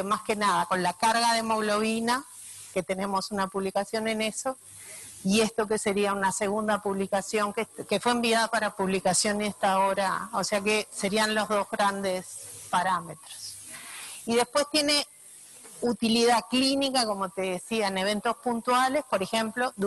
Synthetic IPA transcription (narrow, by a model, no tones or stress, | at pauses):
maske̞naðako̞nlakaɾɣaðe̞mo̞ɣlo̞βina | ke̞t̪e̞ne̞mo̞sunapuβlikasjo̞ne̞ne̞so̞ | ie̞st̪o̞ke̞se̞ɾiaunase̞ɣ̞und̪apuβlikasjo̞ŋkeke̞fweeːmbiaðapaɾapuβlikasjo̞nest̪ao̞ɾaoseake̞se̞ɾianlo̞zðo̞zɣɾand̪espaɾame̞t̪ɾos | iðe̞spwe̞st̪je̞ne | ut̪iliðaklinikako̞mo̞t̪e̞ðesiaeneβ̞e̞nt̪o̞spunt̪wale̞spo̞ɾexe̞mplo̞d̪